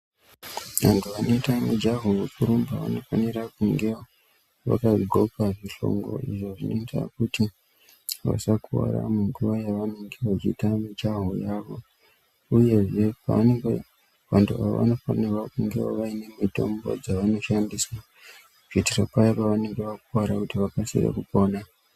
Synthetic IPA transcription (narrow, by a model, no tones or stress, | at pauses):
ʋantʰuano̞itamid͡ʒaɦowekuɾombaʋa̰no̞fanirakuŋɡewa | ʋa̰kaɡʱo̞kaʐiɬo̞̰ŋɡo̰ʔḭʐo̞ʐinoitʰa̰kuti | ʋa̰sakua̰ɾa̰muŋɡuʋajaʋanoŋɡeʋat͡ʃitamid͡ʒaɦojaːʋo̞ | uje̞ʐe̞paʋaneŋɡe | ʋantua̰ʋo̰ʋa̰no̞fanirwakuŋɡewaʋaine̞mito̞̰mbo̞̰d͡zaʋano̞ʃandiswa | ʐitiropaipaʋane̞ŋɡe̞ʋakuwaɾakutiʋakasḭra̰kupo̞ːna